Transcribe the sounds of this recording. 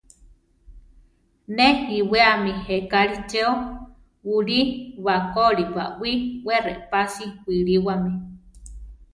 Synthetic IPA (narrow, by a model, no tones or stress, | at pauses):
nehiweamihekaɾit͡ʃeo | wuɾiwakoɾiwa̰ʔwʷiwereʔpasiwiɺiwami